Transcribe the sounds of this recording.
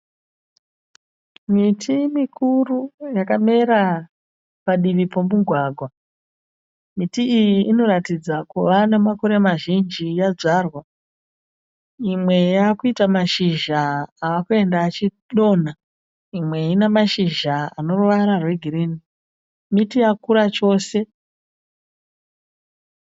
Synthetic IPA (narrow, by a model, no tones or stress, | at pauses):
mitʰimikʰurujakame̞ɾa | paɗiʋipo̞muɡʱwaːɡʱwa | mitiːjiʔːno̞ɾatid͡zakuʋanamako̞ɾe̞maʒind͡ʒijad͡zarwa | imwe̞jaːkuitamaʃiʒaːkue̞ndaːt͡ʃi | ɗo̞na | imwe̞inemaʃiʒaa̰no̞rʋaɾarwe̞ɡʱiriːni | mitijakuɾat͡ʃo̞ːse̞